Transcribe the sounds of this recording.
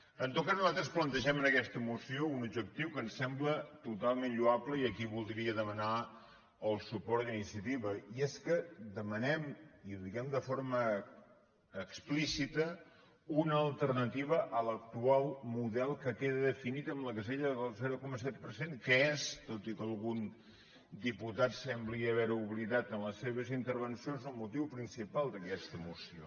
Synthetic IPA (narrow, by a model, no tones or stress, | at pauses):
ənt̪ot̪kaznuzat̪ɾəsplənt̪əʒɛmənəkɛst̪əmusiounub̚d͡ʒək̚t̪iwkənsɛmblət̪ut̪alˠmenʎuabləiəkiβulˠd̪ɾiəðəməna | əlˠsupɔɾt̪inisiət̪iβəiɛskəd̪əmənɛmiðiɣɛmd̪əfoɾmə | ksplisit̪ə | unəːlˠt̪əɾnət̪iβ̞əʔələk̚t̪ualˠmuðɛlˠkəkeðəðəfinit̪əmbləkəzeʎəðəlˠzɛɾukɔməs̬ɛt̪̚pəɾsenkəest̪ot̪ikəlˠɣun | d̪iput̪at̪sɛmbliəβɛɾuβliðat̪ənləsːeβ̞əzint̪əɾβənsionzəlˠmut̪iwpɾinsipalˠd̪əkɛst̪əmusio̰